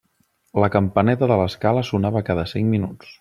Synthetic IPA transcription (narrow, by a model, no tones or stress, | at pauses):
ləkəmpənɛt̪əðələskaləsunaβəkaðəsiŋminut͡s